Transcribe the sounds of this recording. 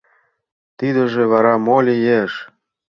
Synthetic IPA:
t̪id̪ə̆ʒĕβɑɾɑmolʲijeʃ

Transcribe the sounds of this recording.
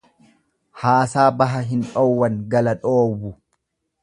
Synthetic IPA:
haːsaːbɐɦɐɦɪnᶑɔwːɐŋɡɐlɐᶑoːwʊ

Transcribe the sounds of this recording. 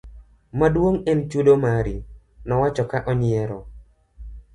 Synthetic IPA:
madwoŋɛnt͡ʃudomaɾi | nɔwat͡ʃɔkaʔɔɲɪɛɾɔ

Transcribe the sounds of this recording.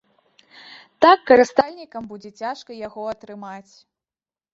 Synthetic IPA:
t̪akːɐɾɨst̪alʲnʲikɐmbud͡zʲɛt͡sʲaʂkɐjaɣɔɐt̪ɾɨmat͡sʲ

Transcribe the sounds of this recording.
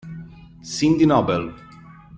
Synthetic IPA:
sind̪inɔbel

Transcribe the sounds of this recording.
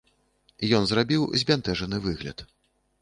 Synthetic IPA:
ijɔnzrabʲiwzʲbʲant̪ɛʐɐnɨvɨɣlʲɐ̰t̪

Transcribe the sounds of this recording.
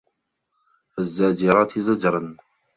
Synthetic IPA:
fazːaːd͡ʒɪɾˤɑːt̪ɪzad͡ʒɾˤɑn

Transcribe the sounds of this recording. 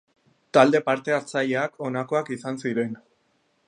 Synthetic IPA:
t̪ald̪e̞paɾt̪e̞alt͡saʎeakʰo̞nako̞akisansiɾe̞n

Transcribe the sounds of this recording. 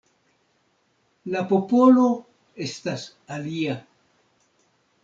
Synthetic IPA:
lapo̞po̞lo̞ | e̞stas | alia

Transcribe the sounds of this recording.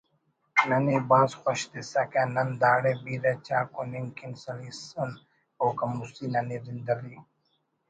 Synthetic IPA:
nɐniːbaːzxʷoʃd̪isɐkaːnɐnd̪aːɽeːbiːɾeːt͡ɕaːkoniŋkɪnsɐliːsɐn | oːkɐmusiːnɐniːzɪnd̪ɐɾi

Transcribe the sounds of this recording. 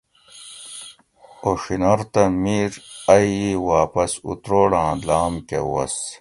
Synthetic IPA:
oʂinɐɾt̪ɐmiːɾɐjiwaːpɐsṵt̪ɾoːɽãːlaːmkḛwɐ̰s

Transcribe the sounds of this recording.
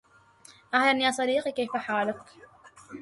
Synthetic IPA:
ʔahlanjaːsˤɑdiːqikajfaħaːləkk

